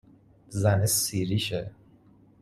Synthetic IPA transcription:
zænesiːɾiʃe

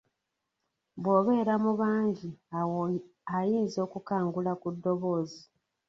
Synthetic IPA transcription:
βwo̞βe̞ːɾamuβaːɲɟi | ajiːnzo̞ːkukaːŋɡulakudːo̞βo̞ːzi

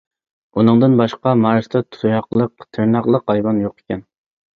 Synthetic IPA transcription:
unɨŋd̪ɨnbɑʃqɑmɑɾst̪ɛt̪ʰu̥t̪ʰujɑqlˠəqt̪ʰɪɾnɑqlˠəqɑjbɑnjoqe̥kʲɛn

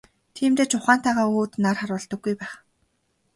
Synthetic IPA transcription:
t̪ʰiːmt̪eːt͡ɕʰʊχaːnt̪ʰæːʁaːuːt̪narχaɾʊːɮt̪ə̆ɡːujpæːχ

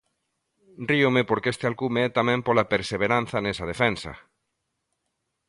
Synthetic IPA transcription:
driomepoɾkeest̪ealkumeɛt̪amɛ̃mpolapeɾseβeɾãn̟θanesað̞efɛnsa̰

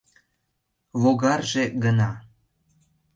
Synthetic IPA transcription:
βoɣɑrʒeɡənɑ

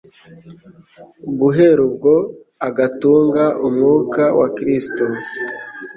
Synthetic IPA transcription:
ɡuɦe̞ɾub̚ɡo̞ | aɡatuːŋɡaʔumŋuːkawakɾisto

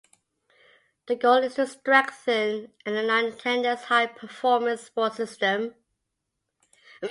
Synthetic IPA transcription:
ðəɡoʊlˠɪz̥təstɹɛksɪ̃nɨ̃nənãɪ̃ntʰɛ̃ndəshaɪpʰəfɔːmə̃nspɔtsɪstə̃m

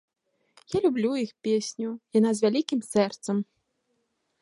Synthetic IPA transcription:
jalʲublʲujixpʲesʲnʲujanazʲvʲalʲikʲimsɛrt̪sɐm

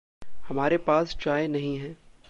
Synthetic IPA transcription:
hɐmaːɾepaːst͡ʃaːenɐɦĩɦɛ̃ː

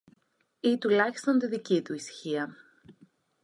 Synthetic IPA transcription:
it̪ulɐçi̥st̪ont̪iðicit̪uisçiɐ

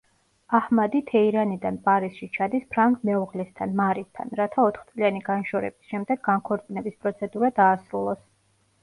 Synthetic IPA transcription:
ahmad̪it̪ʰɛiɾanid̪anpʼaɾisʃit͡ʃʰad̪ispʰɾaŋkʰʼmɛuʁlɛst̪ʰanmaɾist̪ʰa̰nɾat̪ʰaɔt̪ʰχt̪sʼlianiɡanʃɔɾɛ̰bisʃɛmd̪ɛɡːaŋkʰɔɾt̪sʼinɛbispʼɾɔt̪sʰɛd̪uɾad̪aːsɾulˠɔs

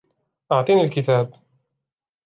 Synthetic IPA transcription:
ʔəʕt̪ˤinilkit̪æːb̚

